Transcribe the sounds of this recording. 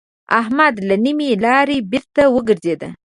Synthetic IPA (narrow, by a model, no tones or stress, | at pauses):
a̰ɦmad̪lanimilɑɾebɪɾt̪awəɡəɾzed̪a